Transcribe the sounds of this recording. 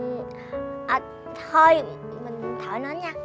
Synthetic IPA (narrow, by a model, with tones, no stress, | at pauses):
ʔəː˨˩ | o˧j | mï˨˩ŋ̟˨˩ŋt̪ʰəː˧˩jnɔ˨˦nɲaː˧